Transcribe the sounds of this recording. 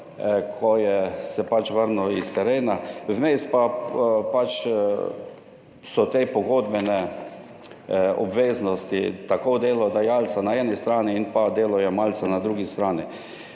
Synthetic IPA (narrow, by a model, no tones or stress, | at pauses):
kʰɔjɛsɛpat͡ʃʋəɾnuist̪ɛɾeːnawmeːst̪̚papat͡ʃ | sɔt̪epɔɡoːd̪bɛnɛ | ɔ̰bʋeːznɔst̪it̪akoːd̪eːlɔd̪ajaːlsanaɛːnist̪ɾaːniinpad̪eːlɔjɛmaːlt̪sanad̪ɾuːɡist̪ɾaːni